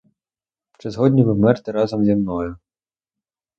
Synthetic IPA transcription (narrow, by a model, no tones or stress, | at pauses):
t͡ʃɛzɦɔdʲnʲiʋɪmɛrt̪ɛɾɑzɐmzʲimnɔjʊ